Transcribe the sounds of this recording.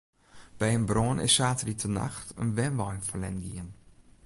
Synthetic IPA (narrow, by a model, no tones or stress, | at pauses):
b̥ɛjənbronʔɪ̰ssaːtəritʰəna̰xtə̰nʋɛnʋɔjnfərlɛ̰nɡiən